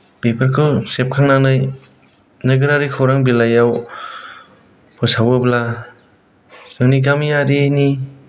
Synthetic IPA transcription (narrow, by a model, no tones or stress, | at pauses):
pepʰaɾkʰɯsep̚kʰaŋnanɯj | nɯɡɯɾaɾikʰawɾaŋbilajaw | pʰɯsawɯbla | sɯŋniɡamijaɾini